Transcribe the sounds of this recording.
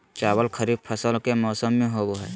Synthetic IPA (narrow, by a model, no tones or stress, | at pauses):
t͡ʃaːwəlkʰəɾiːb̪̚pʰəsəlkemɔːsəmːẽɦoːɡoɦɛː